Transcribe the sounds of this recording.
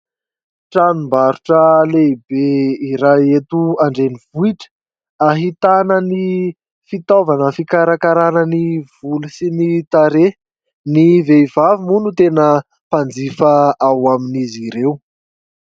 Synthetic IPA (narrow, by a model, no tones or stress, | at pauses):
ʈ͡ʂanumbaɾuʈ͡ʂəleibeiɾajet̪uaɳɖ͡ʐenivuiʈ͡ʂə̥ | aɦit̪anəni | fit̪ovanəfikaɾakaɾanəniv̥ulusinit̪aɾe | niveivavimunut̪enə | pand͡zifəawaminiziɾew